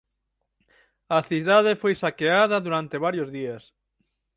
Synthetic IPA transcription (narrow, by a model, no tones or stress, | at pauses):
ɐθiðað̞efojsakeaðɐðuɾant̪eβaɾjozðias